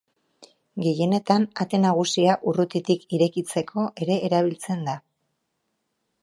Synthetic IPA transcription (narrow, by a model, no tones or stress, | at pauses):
ɡe̞je̞ne̞t̪anat̪e̞naɣ̞usiaʔurut̪it̪ikiɾe̞kit͡se̞kʰo̞ʔe̞ɾe̞ʔːɾaβ̞ilt͡se̞nd̪a